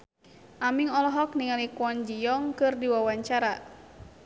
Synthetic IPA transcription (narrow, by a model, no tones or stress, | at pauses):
ʔamiŋɔlɔɦɔk̚niŋalikwɔnd͡ʒijɔŋkɨrdiwawaɲt͡ʃaɾa